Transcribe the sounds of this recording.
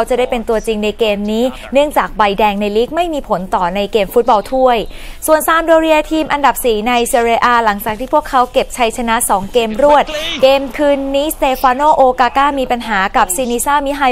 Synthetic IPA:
a˦˥wt͡ɕa˨˩daː˥˩jpe˧nt̪u˧ət͡ɕi˧ŋna˧jkeː˧mniː˦˥ | nɯ˥˩əŋt͡ɕaː˨˩k̚ba˧jdɛː˧ŋna˧jliː˦˥k̚ma˥˩jmiː˧pʰo˩˦nt̪ɔː˨˩na˧jkeː˧mfu˦˥t̪̚bɔː˧wt̪ʰu˥˩əjsu˨˩ənsaː˨˦mdoː˧ɾi˧ət̪ʰiː˧mʔa˧nda˨˩p̚siː˨˩˦na˧jse˧ɾeː˧ʔaː˧la˩˦ŋt͡ɕaː˨˩k̚t̪ʰiː˥˩pʰu˥˩əkʰːa˦˥wke˨˩p̚t͡ɕʰa˦˥jt͡ɕʰa˧na˦˥ʔsɔː˩˦ŋkeː˧mɾu˥˩ət̪̚keː˧mkʰɯː˧nːiː˦˥st̪eː˧faː˧noː˥˩ʔoː˧kaː˧kaː˥˩miː˧pa˧nɦaː˩˦ka˨˩p̚siː˧niː˧saː˥˩mi˦˥ɦa˧

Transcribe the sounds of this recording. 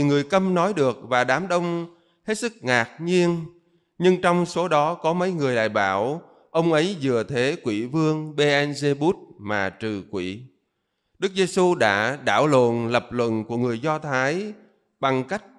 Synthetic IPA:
ŋɨ˨˩əjkə˧mnɔ˨˦jɗɨ˨˩ək̚vaː˨˩ɗaː˨˦mɗə˧wŋ͡m | he˦˥t̚sɨ˦˥k̚ŋaː˨˩k̚ɲi˧ən | ɲɨ˧ŋt͡ɕɔ˧wŋ͡mso˨˦ɗɔ˨˦kɔ˨˦mə˨˦jŋɨ˨˩əjɗa̰ː˧˨jɓaː˧˩w | ʔə˧wŋ͡mʔə˨˦jzɨ˨˩ət̪ʰe˨˦kwi˧˩vɨ˧əŋɓe˧ʔɛ˧nze˧ɓu˦˥t̚maː˨˩t͡ɕɨ˨˩kwḭ˧˩˨ | ɗɨ˦˥k̚ze˧su˧ɗa̰ː˧˥ɗa̰ː˧˩wlo̰˧˨nlə˨˩p̚lwə̰˧˨nku˧˩əŋɨ˨˩əjzɔ˧t̪ʰaː˨˦j | ɓa˨˩ŋka˦˥jk̟̚

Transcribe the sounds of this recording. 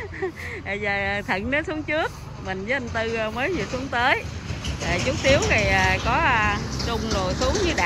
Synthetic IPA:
ə˨˩zəː˨˩˨t̪ʰə̰˧˨ŋnəː˨˦su˨˦əŋt͡ɕɨ˦˥ək̚ | mï˨˩ŋ̟vəː˨˦ʔa˧nt̪ɨ˧məː˨˦jzi˨˩˨su˨˦əŋt̪əː˨˦jəː˨˩t͡ɕu˦˥k̚t̪i˨˦əwzə˨˩jəː˨˩kɔ˨˦˧t͡ɕʊ˧ŋ͡mzo˨˩jsu˨˦əŋɲɨ˧ɗa̰˧

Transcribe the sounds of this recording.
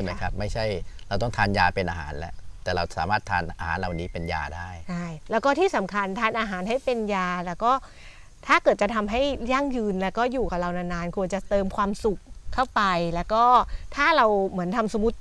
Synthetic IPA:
t͡ɕʰɯ˥˩ma˦˥jkʰɾa˦˥p̚ma˥˩jt͡ɕʰa˥˩jɾa˧wt̪ɔ˥˩ŋt̪ʰaː˧njaː˧pe˧nʔaː˧ɦa̰ː˩˦nlɛ̰˦˥t̪ɛː˨˩ɾa˧wsa̰ː˩˦maː˥˩t̪ʰːa̰ː˧nʔaː˧haː˩˦nla˨˩wniː˦˥pe˧nja̰ː˧daː˥˩jt͡ɕʰa˥˩jlɛː˦˥wkɔː˥˩t̪ʰiː˥˩sa˩˦mkʰa˧nt̪ʰaː˧nʔaː˧ɦaː˩˦nɦa˥˩jpe˧njaː˧lɛː˦˥wkɔː˥˩ | t̪ʰaː˥˩kɤː˨˩t̪̚t͡ɕa˨˩t̪ʰa˧mɦa˥˩jja˥˩ŋjɯː˧nlɛː˦˥wkɔː˥˩juː˨˩ka˨˩ɾa˧wnaː˧˥naː˧nkʰu˧ənt͡ɕa˨˩t̪ɤː˧mkʰwaː˧msu˨˩k̚ʰːa˥˩wpa˧jlɛː˦˥wkɔː˥˩t̪ʰaː˥˩ɾa˧wmɯ˩˦ənt̪ʰa˧msu˧mu˦˥t̪̚

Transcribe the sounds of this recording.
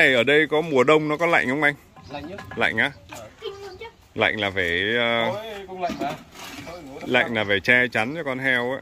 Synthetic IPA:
e˨˩ʔəː˧˩ɗə˧jkɔ˨˦mu˨˩əɗə˧wŋ͡mnɔ˨˦kɔ˨˦la̰˧˨jŋ̟hə˨˦ŋ͡mʔa˧jŋ̟ | la̰˧˨jŋ̟ʔaː˨˦ | la̰˧˨jŋ̟laː˨˩ve˧˩əː˧ | la̰˧˨jŋ̟laː˨˩ve˨˩t͡ɕɛ˧t͡ɕa˨˦nt͡ɕɔ˧kɔ˧nɦɛ˧wa˨˦

